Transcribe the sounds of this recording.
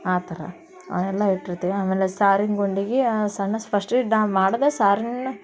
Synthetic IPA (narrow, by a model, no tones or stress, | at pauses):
aːt̪ɐɾɐ̰ | ɐ̰ɛlːɐiʈːiɾɐt̪ːeaːmeːlesaːɾinɡoɳɖiːɡesɐɳːɐspʰɐsʈiɖamaːɽɐd̪esaːɾinu